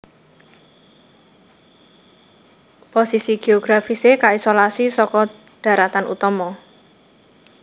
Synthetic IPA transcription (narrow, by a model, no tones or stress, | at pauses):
posisiɡ̥eɔɡ̥ɾafisekaisolasisɔkɔ | ɖ̥ä̤ɾat̪anṵt̪ɔmɔ